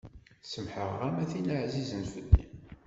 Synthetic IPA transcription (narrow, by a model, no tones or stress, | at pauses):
səmħəʁæmæθinəʕzizənfəlːḭ